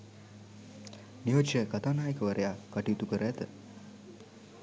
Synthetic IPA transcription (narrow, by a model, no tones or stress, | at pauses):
niɦot͡ʃjəkat̪aːnaːjəkəʋəɾʔejakaʈiut̪ukəɾəæt̪ə